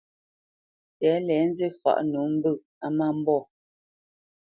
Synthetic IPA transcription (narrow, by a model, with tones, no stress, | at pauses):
tɛ˨˦lɛ˨˦n˦ze˦˨fa̰˦˨ʔnu˨˦m̩˦bɨ˦˨ | a˦ma˦˨m̩˦bɔ˦˨